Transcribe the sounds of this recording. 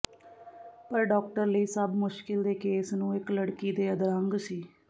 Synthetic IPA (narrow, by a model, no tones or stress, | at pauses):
pəɾɖɔːk̚ʈəɾləiːsəbmʊʃkɪld̪eːkeːsnũːɪkləɽkiːd̪eːəd̪ɾəŋɡsiː